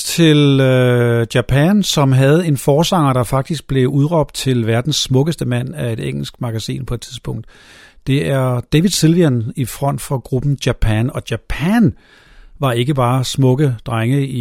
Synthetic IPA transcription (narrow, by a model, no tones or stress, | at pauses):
t͡sʰe̝løjæpʰænsɒ̽mɦæð̞̩ˠe̝nfɒːsɑ̈ŋ̰ɐɾ̥ɑ̈fɑ̈ɡ̥̚d̥isɡ̥̚b̥le̝uð̞ˠʁɒ̽b̥̚d̥̚t͡sʰe̝lʋæɐd̥n̩sːmɔ̽ɡ̥əsd̥əmæn̰æe̝d̥eŋ̰l̩sɡ̥mɑ̈ɡ̥æsḭːnpʰɒ̽e̝̥t͡sʰiðˠsb̥ɔ̽ŋ̰d̥d̥e̝æɐd̥ɛʋi̥silʋiænifʁɒ̽n̰d̥fʁɑ̈ɡ̥ʁub̥n̩djæpʰænɒ̽d̥jæpʰæn | ʋɑ̈e̝ɡ̥əb̥ɑ̈ːsmɔ̽ɡ̥əd̥ʁaŋəi